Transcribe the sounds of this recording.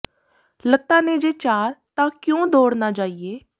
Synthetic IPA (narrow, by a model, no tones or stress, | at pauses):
lət̪ːaːneːd͡ʒeːt͡ʃaːɾt̪ãːkjõːd̪oːɽnaːt͡ʃaːiːeː